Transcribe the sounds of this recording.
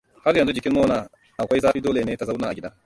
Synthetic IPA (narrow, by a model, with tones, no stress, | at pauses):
ha˦ɾjɐ˨nzu˦d͡ʒɪ˨kʲɪː˦oː˦naː˨ | ʔa˨kʷa˦jzaː˦ɸiː˦doː˦leː˨neː˦ta˨za˦wnaː˨ʔa˨ɡʲɪ˦daː˦